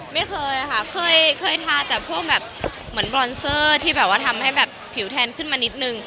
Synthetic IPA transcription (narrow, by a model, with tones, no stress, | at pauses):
ma˥˩jkʰɤː˧jʔa˨˧kʰa˥˩kʰɤː˧jkʰɤː˧jt̪ʰaː˧t̪ɛː˨˩pʰu˥˩ək̚bɛː˨˩p̚ | mɯ˩˦ənbɾɔː˧nsɤː˥˩t̪ʰiː˥bɛː˨˩p̚waː˥˩t̪ʰa˧mha˥˩jbɛː˨˩pʰːi˨˩˦wt̪ʰɛː˧nkʰɯ˥˩nmaː˧ni˦˥t̪̚nɯ˧ŋ